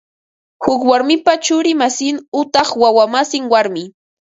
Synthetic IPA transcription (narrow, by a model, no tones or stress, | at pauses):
hʊkwaɾmɪpat͡ʃʊɾɪmasɪnʊt̪ɑχwawamasɪŋwaɾmɪ